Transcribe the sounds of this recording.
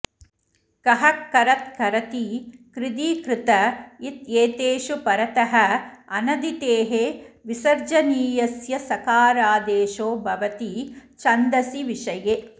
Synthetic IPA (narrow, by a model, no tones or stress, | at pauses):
kɐɦɐkːɐɾɐt̪̚kɐɾɐt̪ikɾɪd̪iːkɾɪt̪ɐit̪eːt̪eːʃupɐɾɐt̪ɐɦɐɐnɐd̪it̪eːɦeʋisɐɾd͡ʒɐniːjɐsjɐsɐkaːɾaːd̪eːʃoːbʱɐʋɐt̪it͡ʃɐnd̪ɐsiʋiʃɐje